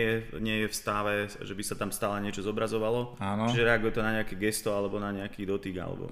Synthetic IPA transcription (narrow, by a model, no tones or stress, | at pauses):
ɛjɛɲɪɛjɛfst̪aʋɛʒɛbisat̪amst̪aːlɛɲɪɛt͡ʃɔzɔbɾazɔʋalɔaːnɔt͡ʃiʒɛɾɛaɡujɛt̪ɔnaɲɛakɛɡɛst̪ɔalɛbɔnaɲɛakiːd̪ɔt̪iɡa̰lɛ̰bɔ̰